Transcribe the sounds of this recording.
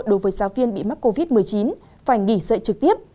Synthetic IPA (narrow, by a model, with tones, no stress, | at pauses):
jɗo˨˦jvəː˨˦jzaː˨˦wvi˧ənɓḭ˧˨ma˦˥k̚ko˧vi˦˥t̚mɨ˨˩əjt͡ɕi˨˦n | faː˧˩jŋi˧˩sə̰ː˧˨t͡ɕɨ˨˩k̚t̪i˦˥əp̚